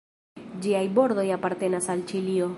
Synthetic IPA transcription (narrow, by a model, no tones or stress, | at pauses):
d͡ʒiajbo̞ɾdo̞japaɾte̞nasalt͡ʃilio̞